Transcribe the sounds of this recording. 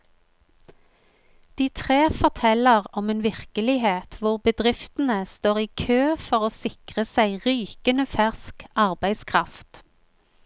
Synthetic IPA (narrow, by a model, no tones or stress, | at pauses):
d̪̥iːt̪ʰʁeːfɔʁt̪ʰɛləʁɔmeːnʋɪʁkəlɪheːt̪ʰʋʊʁbəd̪ʁɪft̪n̩əst̪oːʁiːkʰøːfɔʁoːsɪkʁəsæɪʁyːkənəfæʁskʔɑʁbæɪskʰʁɑft̪